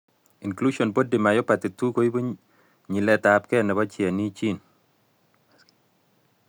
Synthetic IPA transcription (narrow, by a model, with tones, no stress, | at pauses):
i˨nklu˦ʃɔ˨nbo˦di˨ma˨jɔ˦pa˨t̪i˨tu˦ko˦i˦bo˦ | ɲi˨lɛ˨ta˨p̚kɛ˦˨nɛ˨ba˦t͡ʃɪa˨ni˦t͡ʃi˦˨n